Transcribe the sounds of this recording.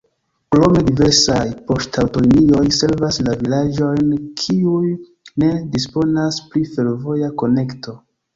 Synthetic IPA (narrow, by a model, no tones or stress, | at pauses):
pɾo̞me̞dive̞ɾsajpo̞stawtonomio̞jse̞lvaslavilad͡ʒo̞jnkʰiujː | e̞dispo̞naspɾife̞lvo̞jako̞ne̞kto̞